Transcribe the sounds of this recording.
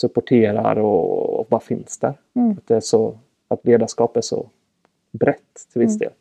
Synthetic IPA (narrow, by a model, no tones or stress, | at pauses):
sɵpːɔʈʰeːɾa̰ɾɔ̰bɑɾafɪnsd̪æɾ | at̪̚d̪ɛæʂɔ | at̪leːd̪aʂkɑːpæʂɔ̰ | bɾɛt̪ːt̪ʰːɪlvɪsd̪ḛːl